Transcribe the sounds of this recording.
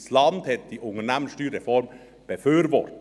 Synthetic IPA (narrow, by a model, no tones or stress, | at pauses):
slɑnd̪hɛt̪̚d̥iːʔʊŋənæːmənsʃtyːɾɛfɔɾm | b̥əføːɾʋɔ̰ɾt